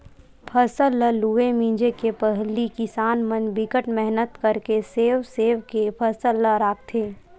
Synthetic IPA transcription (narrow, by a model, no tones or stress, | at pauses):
pʰəsəlːəluemĩːd͡ʒekepəɦlikɪsaːnmənbɪkəʈmɛɦnət̪kɐɾkeseːʋseːʋkepʰəsəlːəɾaːk̚t̪ʰeː